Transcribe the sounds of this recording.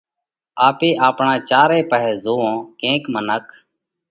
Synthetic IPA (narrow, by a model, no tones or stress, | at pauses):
aːpeːʔaːpɳãːt͡ʃaːɾeːpəɦɛːzoːõːkẽːkmənək